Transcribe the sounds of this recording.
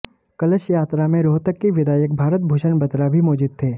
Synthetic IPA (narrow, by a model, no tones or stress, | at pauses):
kɐləʃjaːt̪ɾamẽɾoːɦt̪əkːiʋɪd̪ʱaːjək̚bʱaːɾət̪̚bʱuːʃənbɐt̪ɾabʱimɔːd͡ʒuːd̪̚t̪ʰeː